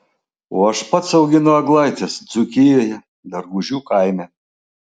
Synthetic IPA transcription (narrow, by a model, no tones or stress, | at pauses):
oːɐʃpɐt̪sɐʊɡʲɪnʊɐɡlˠɐɪt̪ʲɛsd̪z̥ʊkʲɪjoːjɛ | d̪ɐɾɡʊʒʲuːkɐɪmʲɛ